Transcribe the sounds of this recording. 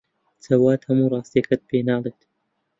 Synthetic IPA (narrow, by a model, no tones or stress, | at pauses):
t͡sʰɐwaːt̪hɐmurˤɑːst̪ijɐkʰɐt̪̚peːnɑːlˠeːt̪